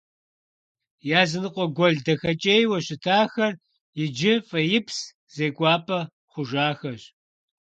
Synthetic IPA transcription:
jaːzɨnɨqʷʼɔɡʷɔɮdɐxɐt͡ʃʼejwɐɕɪtʰaːxɐr | jɪd͡ʒɪfʼɐjɪpʰs | z̥eːkʷʼɑːpʰʼɐ | χʷʊʒaːxɐɕ

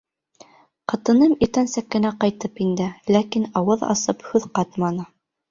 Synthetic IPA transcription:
qɤ̆t̪ɤ̆nɤmit̪ænsækːɘ̆næqɑjt̪ɤpind̪ɘlækinɑwɤðɑ̰sɤphʉðqɑt̪mɑnɤ

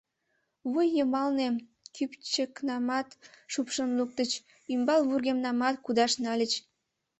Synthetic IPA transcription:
βujːəmɑlne | kypt͡ɕəknɑmɑt̪ʃupʃənluk̚t̪ət͡ɕ | ymbɑlβurɣemnɑmɑt̪kud̪ɑʃnɑlʲət͡ɕ

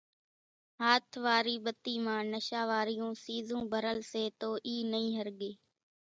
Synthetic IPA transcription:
ɦaːt̪ʰʋaːɾiːɓət̪iːmãːnəʃaːʋaːɾɪjũːsiːzũːbʱəɾəlseːt̪oːʔiːnəĩːɦəɾɠeː

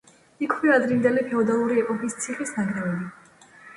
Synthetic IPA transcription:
ikʰwiad̪ɾind̪ɛlipʰɛɔd̪alˠuɾiɛpʼɔkʼist̪sʰiχisnaɡɾɛvɛbi

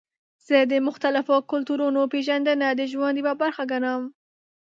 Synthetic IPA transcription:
z̥əd̪əmʊxt̪alafokʊlt̪uɾunopeʒand̪anad̪əʒwand̪ibabaɾxaɡanam

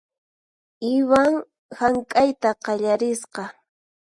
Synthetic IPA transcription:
ɪwaŋ | haŋkʼajt̪aqɑʎaɾɪsqɑ

